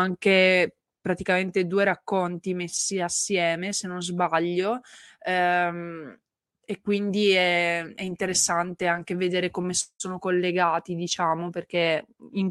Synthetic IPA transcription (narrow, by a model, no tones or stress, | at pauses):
aŋke | pɾat̪ikament̪ed̪uːeɾakːont̪imesːiasːjɛːmesenːõnzbaʎːoɛ | ekːwind̪iɛɛint̪eɾesːant̪eaŋkeved̪eːɾekomesoːnokolːeɡaːt̪id̪it͡ʃaːmoperk̟eiŋ